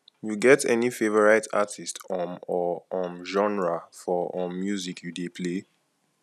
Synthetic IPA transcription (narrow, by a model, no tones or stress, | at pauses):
juɡɛtɛnifevɔɹaɪtʰa̰tʰistɔ̃mɔɔ̃mʒɔ̃nɹafɔɔ̃mːjuzikʰjudepʰle